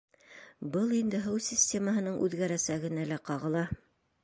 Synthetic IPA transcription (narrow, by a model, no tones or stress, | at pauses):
bɤlˠind̪ɘɦɤwsʲɪsʲtʲe̞məɦɤ̆nɤɴʔʉ̰ðɡæɾæsæɡɘ̆nælæqɑʁɤ̆lˠɑ